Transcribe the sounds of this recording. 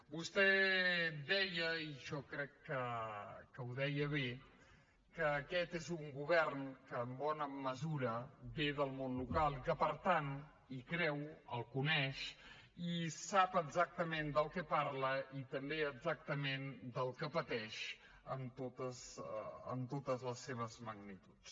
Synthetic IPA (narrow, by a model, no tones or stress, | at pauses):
bust̪ɛ | d̪ɛjəiʒɔkɾɛkːəkəuðɛjəβe | kəːkɛt̪ezuŋɡuβɛrnkəːmbɔnəməzuɾəbeðəlˠmonlukalˠikəpəɾt̪an | ikɾɛwə̰lˠkunɛʃ | isapəɡzak̚t̪əmend̪əlˠkɛparləʔit̪əmbeəɡzak̚t̪əmend̪əlˠkəpət̪ɛʃ | əmt̪ot̪əzə̰mt̪ot̪əzləsːeβ̞əzməɡnit̪u̥t͡s